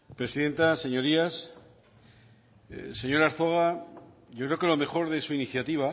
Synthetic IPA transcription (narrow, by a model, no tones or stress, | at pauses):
pɾe̞siðe̞nt̪ase̞ɲo̞ɾias | se̞ɲo̞ɾaɾθoɣa | ʝokɾe̞okelo̞me̞xo̞ɾðe̞suiniθjat̪iβ̞a